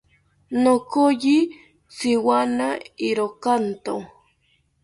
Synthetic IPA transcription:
nokoʎi | sɪwanaiɾokant̪o

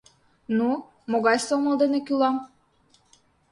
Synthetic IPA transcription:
nu | moɣɑjsomə̆ld̪enĕkylɑm

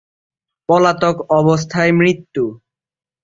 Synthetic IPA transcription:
pɔlat̪okɔbos̬t̪ʰaemɾit̪ːu

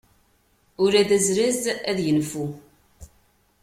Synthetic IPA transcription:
ʊɾæðæzɾæzæðjənfu

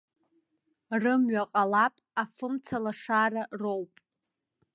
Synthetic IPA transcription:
rɨmɥaqʼalapʼafɨmt͡sʰalaʂararowpʼ

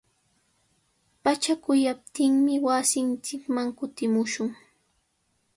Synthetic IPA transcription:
pat͡ʃakʊjap̚t̪ɪŋmɪwasɪnt͡ʃɪkmaŋkʊt̪ɪmʊʃʊŋ

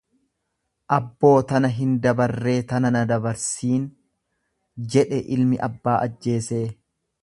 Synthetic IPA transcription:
ʔɐbːo̞ːt̪ɐnɐɦɪnd̪ɐbɐrːe̞ːt̪ɐnɐnɐd̪ɐbɐɾsiːn | d͡ʒɛᶑɛʔɪlmɪʔɐbːaːʔɐd͡ʒːe̞ːse̞ː

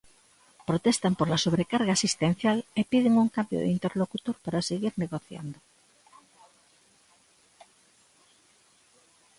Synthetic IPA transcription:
pɾot̪est̪ampolasoβ̞ɾekaɾɣaːsist̪en̟θjalepiðeŋuŋkambjo̰ð̰int̪eɾlokut̪oɾpaɾaseɣiɾneɣoθja̰nd̪o

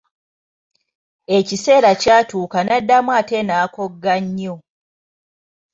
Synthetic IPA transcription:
e̞cise̞ːɾacaːtuːkanadːamwate̞naːko̞ɡːaɲːo̞

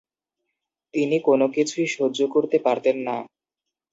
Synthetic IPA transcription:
t̪inikonokit͡ɕʰuiʃod͡ʑokoɾt̪epaɾt̪enːa̰

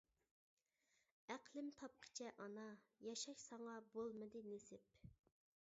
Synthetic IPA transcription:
æqlˠɪmt̪ʰɑp̚qʰə̥t͡ʃʰɛʔɑnɑjɑʃɑʃsɑɴɑbolˠmɨd̪ɨnesɪp

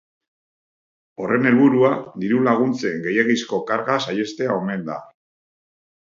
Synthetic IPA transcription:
o̞re̞ne̞lβuɾuad̪iɾulaɣ̞unt͡se̞ŋɡe̞jeɣisko̞kaɾɣasaje̞st̪e̞ao̞me̞nd̪a̰

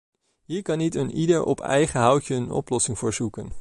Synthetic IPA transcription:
ɦiːɹkɑnitənidəɹʔɔ̰pʰɛ̰jχəɦʌwtəənɔ̰plɔsɪŋvʊːɹzukən

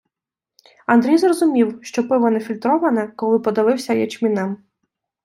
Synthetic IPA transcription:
ɐnd̪ɾʲijzrɔzʊmʲiwʃt͡ʃɔpɪʋɔnɛfʲilʲt̪ɾɔʋɐnɛkɔlˠɪpɔd̪ɪʋɪwsʲɐjɛt͡ʃmʲinɛm

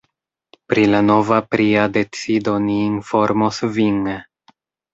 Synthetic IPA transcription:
pɾilano̞vapɾiade̞t͡sido̞niːnfo̞ɾmosvin

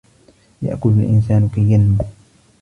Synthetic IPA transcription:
ja̰ʔkʊlalʔɪ̰nsaːnkajːanmʊ

